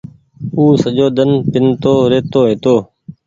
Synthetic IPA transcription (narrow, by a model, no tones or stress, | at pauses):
uːsəd͡ʒoːd̪ənpɪnt̪oːɾeːt̪oːɦeːt̪oː